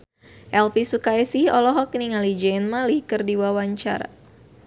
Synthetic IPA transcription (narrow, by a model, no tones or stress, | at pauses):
ʔɛlfisukajsihɔlɔɦɔk̚niŋalid͡ʒɛnmalihkɨrdiwawaɲt͡ʃa̰ɾa̰